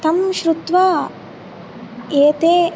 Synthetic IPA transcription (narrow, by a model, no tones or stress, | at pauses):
t̪ɐmʃɾut̪ʋaː | eːt̪eː